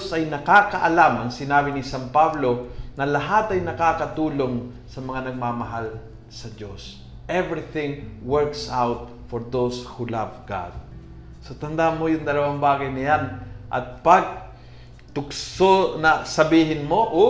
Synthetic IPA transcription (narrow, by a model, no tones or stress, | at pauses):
sʔɐjnɐkaːkɐʔɐlamʔɐŋsɪnaːbɪnɪsampablonɐlɐɦat̪ɐjnɐkaːkɐt̪uːloŋ | sɐmɐŋanɐɡ̚maːmɐɦal | sɐd͡ʒos | ʔɛvɹɪθɪ̃ŋwɛɹksawt̪̚ | fɔɹðowshulavɡa̰d̪̚ | sot̪ɐnd̪amojʊŋd̪ɐlɐwaŋbaːɡɐjnɪjanʔɐ̰t̪̚pɐɡ̚ | t̪ʊksonɐsɐbiːɦɪnmoʔ